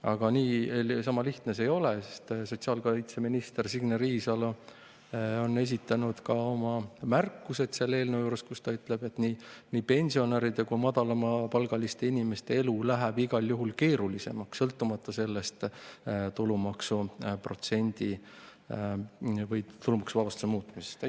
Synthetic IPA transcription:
ɑɡ̥ɑniːsɑmɑliht̪nese̞jo̞lesest̪so̞t̪siɑːlkolit̪se̞minist̪ersiɡ̥neɾiːsɑl | o̞nːe̞s̬it̪ːˑɑnud̪̥kɑo̞mɑmærkːuse̞d̪̥se̞lːe̞ːlnewjuːɾeskust̪ɑyt̪ˑle̞b̥e̞t̪ːˑniniːpe̞nʲsio̞neɾid̪ekumɑd̪ɑlɑmɑpɑlɡ̥ɑlist̪e̞inime̞st̪e̞e̞lulæɦæb̥iɡ̥ɑljuɦulke̞ːɾulise̞̰mɑkssɤlt̪ːˑumɑt̪ˑːɑse̞lːest̪t̪ulumɑksupro̞t̪se̞nʲd̪̥i | vɤjt̪ulumɑksuvɑvɑst̪u̥semuːt̪ːˑmise̥st̪

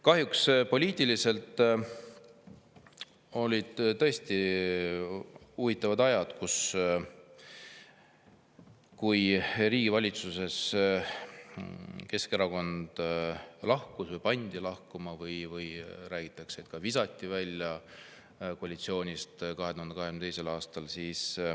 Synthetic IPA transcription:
kɑɦjukspo̞lʲiːt̪ilise̞lt̪ˑ | o̞lʲid̪̥t̪ɤ̞e̞st̪i | uvit̪ːˑɑvɑd̪ɑjɑd̪̥kus | kujriːɡ̥ivɑlʲit̪suse̞s | ke̞ske̞ɾɑko̞nd̪̥lɑhkusvɤjpɑnʲd̪̥ilɑhkumɑvɯjvɯjɾæːɡ̥it̪ːˑɑkseːt̪̚kɑvisɑt̪ʲˑːivælʲːjɑ | koɑlit̪sio̞ːnʲist̪kɑɦet̪uɦɑnd̪̥kɑɦeymet̪ejse̞lɑːst̪ɑlsiːs

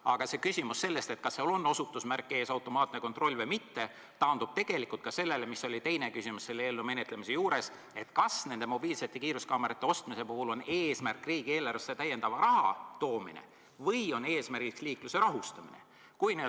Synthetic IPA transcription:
ɑɡ̥ɑsekysimusːe̞lːe̞st̪e̞t̪̚kɑsːeolo̞nːo̞sut̪ːˑusmærkːˑeːsɑwt̪ːˑo̞mɑːt̪ˑne̞ko̞nt̪ro̞lʲːvɤjmit̪ːe | t̪ɑːnd̪ub̥̚t̪e̞ɡ̥e̞likːˑult̪̚kɑse̞lːe̞lemiso̞lʲit̪e̞jne̞kysimusse̞lːeelːume̞net̪ˑle̞mise̞juːɾe̞s | e̞t̪kɑsne̞nd̪e̞mo̞b̥iːlse̞t̪ːˑe̞kiːɾuskɑːmeɾit̪ːˑe̞o̞st̪mise̞puhulo̞neːsmærkːˑriːɡ̥ieːlɑreset̪æje̞nd̪ɑvɑɾʔɑɦɑ̰t̪o̞ːmḭnḛ | vɤjo̞neːsmærɡ̥iksliːkluse̞ɾɑɦust̪ɑmḭne̞̰ | kujne

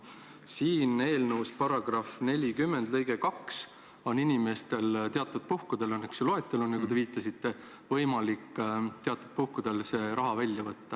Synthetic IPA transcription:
siːne̞ːlnəwspɑɾɑɡ̥rɑfne̞lʲikymːend̪̥lɤjɡe̞kɑks | o̞ninime̞st̪e̞lt̪eɑt̪ːˑud̪̥̚puhkud̪̥e̞lonːeksoloe̞t̪ːˑelonːekut̪e̞viːt̪ːˑɑsit̪ːe̞ | vɤjmɑlikːt̪e̞ɑt̪ːˑud̪̥̚puhkud̪̥e̞lse̞ːɾʔɑɦɑvælʲjɑvɤt̪ːɑ

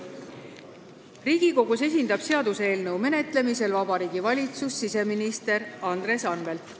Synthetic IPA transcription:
riːɡ̥iko̞ɡ̥use̞s̬ʲind̪ɑb̥se̞ɑd̪̥usee̞ːlnɤwme̞ne̞t̪ˑle̞mis̬e̞lvɑbɑɾiːɡ̥ivɑlʲit̪susːise̞minist̪e̞ɾɑnd̪̥ɾe̞sɑnve̞lt̪

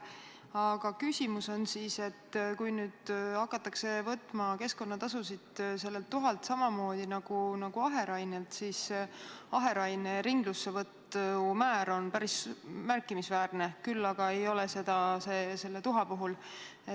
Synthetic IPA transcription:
ɑɡ̥ɑkysʲimuso̞nsise̞t̪ːkujnyːd̪̥ɑkːˑɑt̪ːˑɑkse̞vɤt̪ːˑmɑke̞sko̞nːɑt̪ɑsusid̪̥se̞lːe̞lt̪ːuɦɑlt̪sɑmɑmo̞ːd̪̥inɑɡ̥unɑɡ̥uɑɦe̞ɾɑjnelt̪sis | ɑɦe̞ɾɑjneɾiŋɡ̥lusːevɤt̪ːumæːɾo̞npæɾismærkːˑimisvæːrnekylːɑɡ̥ɑe̞jo̞lese̞d̪̥ɑseːse̞lːe̞t̪uɦɑpuɦul

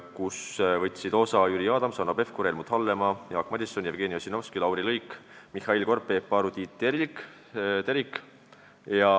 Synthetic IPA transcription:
kusvɤt̪ʲˑsid̪o̞sɑjyɾiɑːd̪̥ɑmsɑnɑpe̞fkuɾelmut̪hɑlːe̞mɑjɑːkːmɑd̪isonjevɡ̥e̞ːniosinofskilɑwɾilɤjkmihɑilko̞rpːeːpːɑːɾud̪it̪ːeɾik | t̪eɾik | jɑ

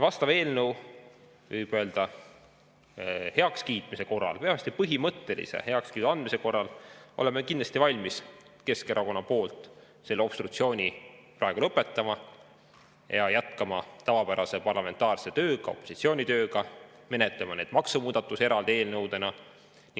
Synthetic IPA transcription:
vɑst̪ɑve̞ːlnəw | vɯjb̥ø̞ːld̪ɑ | he̞ɑkskiːt̪ˑmise̞ko̞rːɑ̰lpe̞ɑmest̪ipɤɦimɤt̪ːe̞lḭsḛhe̞ɑkskiːt̪uɑnd̪mise̞ko̞rːɑlo̞̰lemekind̪lɑst̪ivɑlʲmis | ke̞skeɾʔɑko̞nːɑpo̞ːlt̪ˑ | se̞lːeo̞pst̪ɾukt̪sio̞ːnʲiprɑeɡulɤpːˑe̞t̪ːˑɑmɑ | jɑjæt̪kɑmɑt̪ɑvɑpæɾɑse̞pɑrlɑme̞nt̪ːˑɑːrse̞t̪ø̞ːɡ̥ɑo̞̰pːˑo̞si̥t̪sio̞ːnʲit̪ø̞ːɡɑme̞net̪lɑmɑne̞ːd̪̥mɑksumuːd̪̥ɑt̪ːˑuse̞ɾɑld̪ee̞ːlnɤwd̪e̞nɑ | ni

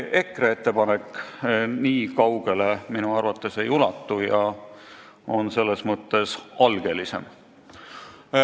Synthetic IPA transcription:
e̞kree̞t̪ːe̞pɑnekː | niːkɑwɡ̥e̞le̞minuɑrvɑt̪ːˑe̞sejulɑt̪ːˑujɑ | o̞nse̞lːe̞smɤt̪ːˑe̞sʔɑlɡ̥e̞lise̞̰m

